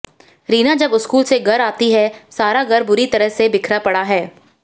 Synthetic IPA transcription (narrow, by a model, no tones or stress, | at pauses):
ɾiːnad͡ʒɐbʊskuːlseɡɐɾaːt̪iɦɛsaːɾaɡɐɾbʊɾit̪ɐɾəɦsebɪkʰɾapɐɽaɦɛː